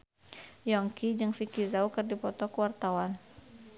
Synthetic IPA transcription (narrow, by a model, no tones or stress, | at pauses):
jɔŋkid͡ʒɨŋfikizaukɨrdipɔt̪ɔkəwart̪awan